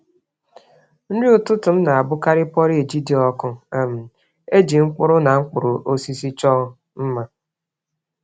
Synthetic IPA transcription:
n̩˦di˦ʊ˨tʊ˦tʊ˨m̩˦na˨a˨bʊ˦ka˦ɾɪ˦pɔ˦ɾi˦e˨d͡ʒi˦di˦ɔ˦kʊ˦e˨m̩˨ | e˦d͡ʒi˨ŋ͡m̩˦k͡pʊ˦ɾʊ˦na˨ŋ͡m̩˦k͡pʊ˨ɾʊ˨ʔo˦si˦si˦t͡ʃɔ˦ | m̩˦ma˦

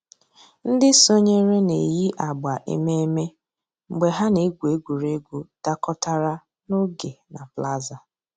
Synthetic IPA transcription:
n̩˦dɪ˦so˦ɲe˦ɾe˦ne˨ji˦ʔa˨ɡ͡ba˨ʔḛ˨me˦e˦me˦ | ŋ͡m̩˨ɡ͡be˨ɦa˦ne˨˦ɡʷu˨e˦ɡʷu˨ɾe˦ɡʷu˨da˦kɔ˦ta˦ɾa˦ | nʊ˦ɡe˨na˨pla˦za˨

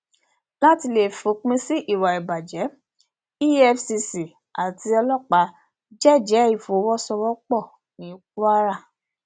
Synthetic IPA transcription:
la˦ti˧le˨fu˨˧˦k͡pĩ˦si˦ʔi˦˨wa˨i˨ba˨d͡ʒɛ˨˦ | i˦ɛ˦fsi˧si˨ | a˨ti˧ɔ˧lɔ˦˨k͡pa˧˦ | d͡ʒɛ˦˨d͡ʒɛ˨˦i˦˨fo˨˦wɔ˦sɔ˧wɔ˦k͡pɔ˦˨ | nĩ˨˦k̚u˦a˦ɾa˦˨

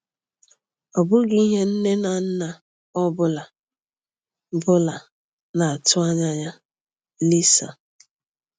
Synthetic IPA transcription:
ɔ˨bʊ˦ɡɪ˦i˦ɦe˦n̩˦ne˦na˨n̩˦na˨ | ɔ˦bʊ˦la˨˦ | bʊ˦la˨ | na˨a˨tʊ˦a˦ɲa˦ɲa˦ | li˦sa̰˨

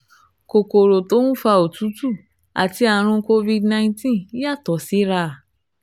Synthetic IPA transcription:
ko˨ko˨ɾo˨to˦wũ˦fa˧o˨tu˨˦tu˦˨ | a̰˨ti˧a˨ɾ̃ũ˧ko˧vi˧dnã˧ĩ˧tĩ˦ja˦˨tɔ˨si˨˦ɾa˦˨

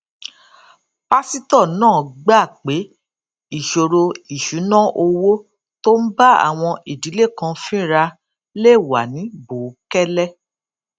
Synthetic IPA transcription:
pa˦si˦tɔ˦˨nãː˦˨ɡ͡ba˦˨k͡pe˨˦ | i˦˨ʃo˨ɾo˧i˨ʃu˨˦nã˦ʔo˧wo˦ | to˦n̩˦ba˦a̰˨w̃ɔ̃˧ʔe˨di˨˦le˦˨kã˧fĩ˦ɾa˧ | le˦˨wa̰˨nĩ˨˦bo˨˦kɛ˦lɛ˦˨

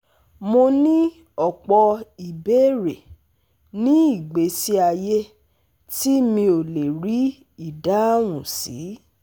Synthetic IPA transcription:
mo˧nĩ˦ | ɔ˨k͡pɔ˧i˨be˦ɾe˨ | nĩ˦i˦˨ɡ͡be˨˦si˦a˧je˦ | ti˦mĩ˧o˨le˨ɾi˨˦ | i˦˨da˨˦w̃ũ˨sḭ˨˦

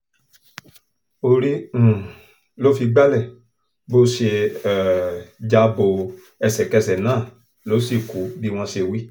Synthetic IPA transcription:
o˧ɾĩ˦˨ | lo˦fi˧ɡ͡ba˦lɛ˨ | bo˦ʃe˧˨ | d͡ʒa˧bo˨ | ɛ˧sɛ˨kɛ˧sɛ˨nãː˦˨ | lo˨˦si˦˨ku˨˦bi˦w̃ɔ̃˧ʃe˧wi˦

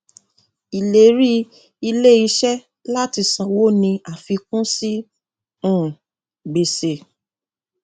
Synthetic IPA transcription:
i˨le˨˦ɾi˦ | i˧le˦i˧ʃɛ˦ | la˦ti˧sã˨wo˦nĩ˧a˨fi˧kũ˦si˦ | ũ˦˨ | ɡ͡be˨se˨

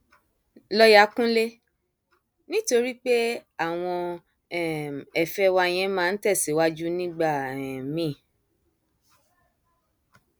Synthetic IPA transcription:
lɔ˦ja˨˦kũ˦le˦ | nĩ˦to˧ɾi˦k͡pe˦a˦˨w̃ɔ̃˧˨ | ɛ˨fɛ˦wa˧j̃ɛ̃˧˦mãː˦˧n̩˦tɛ˦˨si˨˦wa˦d͡ʒu˦nĩ˦ɡ͡ba˦˨ɛ˨mĩ˨˦˨

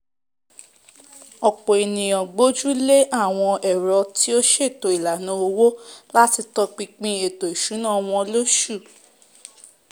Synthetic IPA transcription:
ɔ˨k͡pɔ˨e˨nĩ˨jɔ̃˨ɡ͡bo˦d͡ʒu˦le˦ʔa˦˨w̃ɔ̃˧ɛ˨ɾɔ˧ti˦o˦ʃe˦e˨to˨i˨la˨nũ˨˦o˧wo˦la˦ti˧tɔ˧k͡pĩ˧k͡pĩ˧e˨to˨i˨ʃu˨˦nã˦˧w̃ɔ̃˧lo˦ʃu˦˨

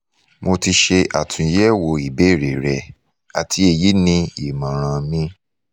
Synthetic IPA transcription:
mo˧ti˧ʃe˧ʔa̰˨tʰũ˨˧jɛ˦˨wo˧i˨be˦˨ɾe˨ɾɛ˧ | a˨tʰi˧e˧˨ji˨˦nĩ˧i˨mã˨ɾ̃ã˧mĩ˧˦

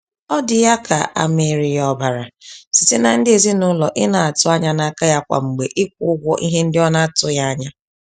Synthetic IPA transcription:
ɔ˦dɪ˨ja˦kʰa̰˨a̰˨me˨ɾi˨jɔ˦ba˨ɾa˨si˨tɪ˦na˨n̩˦dɪ˦e˨zi˦nʊ˦lɔ˨ʔɪ˦na˨a˨tʊ˦a˦ɲa˦na˨ka˦ja˦kʷa̰˨ŋ͡m̩˨ɡ͡be˨ʔɪ˦kʷʊ˦ɡʷɔ˦ʔi˦ɦe˦n̩˦dɪ˦ɔ˦na˦a˦˨tʊ˦ja˦a˦ɲa˦

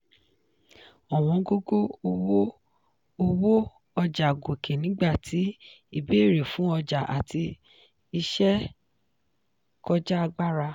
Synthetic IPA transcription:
ɔ˨w̃ɔ̃˧˦ɡo˦ɡo˦˧wo˦ | o˧wo˦ | ɔ˧d͡ʒa˨ɡo˨kʰe˨nĩ˨˦ɡ͡ba˦˨tʰi˨˦ | i˦˧be˦˨ɾe˨fũ˨˦ɔ˧d͡ʒa˨ʔa̰˨tʰi˧ | i˧ʃɛ˦ | kɔ˧d͡ʒa˦a˧ɡ͡ba˦ɾa˧

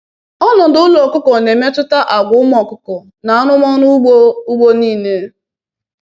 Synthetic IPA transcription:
ɔ˦nɔ˨dʊ˦lɔ˨kʊ˦kɔ˨ne˨me˦tʊ˦ta˦ʔa˨ɡʊ˨˦ʊ˦mɔ˨kʊ˦kɔ˨ | na˨a˦nʊ˦mɔ˦nʊ˦ɡ͡bo˦u˦ɡ͡bo˦niː˦˨ne˦

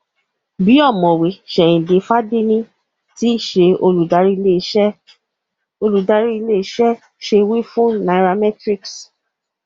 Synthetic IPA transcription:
bi˨˦ɔ˦˨mɔ̃˨we˨ʃɛ˨ĩ˨de˨fa˦de˦nĩ˦ | ti˦˨ʃe˧o˧lu˨da˧ɾi˦i˧le˦˧ʃɛ˦ | o˧lu˨da˧ɾi˦i˧le˦i˧˦ʃɛ˦ | ʃe˧wi˦fũ˦na˨˧˨ɾa˧mɛ˦tɾi˦ks

